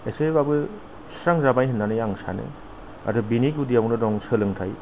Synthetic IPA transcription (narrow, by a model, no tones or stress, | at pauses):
esebabɯ | saŋzabajɦɯnːanɯjaŋsa̰nḛ | a̰dɯbiniɡudijawnɯdɔŋsəlɯŋtʰaj